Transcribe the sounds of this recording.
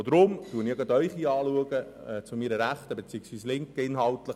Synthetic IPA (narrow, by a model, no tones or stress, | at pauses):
od̥̪ɾʊmtuːəniɡɑdœʏχiɑːluəɡəɛt͡sʊmiɾəɾæχt̪əbet͡siːəksʋviːslɪŋkɪnɦɑltləχ